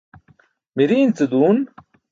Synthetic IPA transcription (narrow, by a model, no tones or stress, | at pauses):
miɾiːnt͡sɨd̪uːn